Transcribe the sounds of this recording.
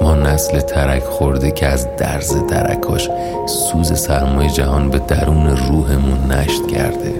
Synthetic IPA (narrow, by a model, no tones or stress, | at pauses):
mɒːnæslet̪ʰæɾæcʰxoɾd̪ecʰeæzd̪æ̰ɾzet̪ʰæ̰ɾæ̰kʰɒːʃ | suːze̞sæɾmɒːjed͡ʒæɦɒːnbe̞d̪æɾuːneruːɦemunːæʃt̪cʰæ̰ɾd̪̥ḛ